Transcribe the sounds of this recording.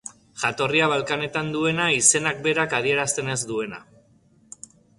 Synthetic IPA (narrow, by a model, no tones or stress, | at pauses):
ʝat̪o̞riaβ̞alkane̞t̪and̪ue̞naise̞nak̚be̞ɾakað̞ie̞ɾast̪e̞ne̞zd̪ue̞na̰